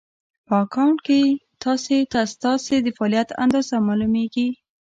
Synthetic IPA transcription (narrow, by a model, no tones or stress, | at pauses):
pɑkʰɑɳket̪ʰɑset̪ast̪ɑsed̪əfɑlijat̪a̰nd̪ɑzamalumeɡi